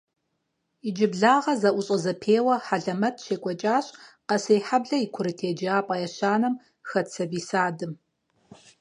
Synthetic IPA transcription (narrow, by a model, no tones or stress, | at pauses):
id͡ʒɪbɮaːʁɐzɐʔʷʊɕʼɐzɐpʰeːwɐħaɮɐmɐtʰʃeːkʷʼɔt͡ʃʼaːɕʼqɐsejħabɮɐikʷʰʊɾɨtʰeːd͡ʒaːpʼɐjɛɕaːnɐm | xɐt͡sʰɐbiːsaːdɨm